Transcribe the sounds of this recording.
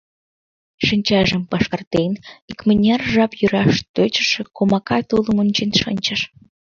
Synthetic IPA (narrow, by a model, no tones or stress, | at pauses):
ʃənʲt͡ɕɑʒəmpɑʃkɑrt̪enikmənʲɑrʒɑpjyɾɑʃt̪øt͡ɕə̥̆ʃĕkomɑkɑt̪uləmunʲt͡ɕenʃə̰nʲt͡ɕəʃ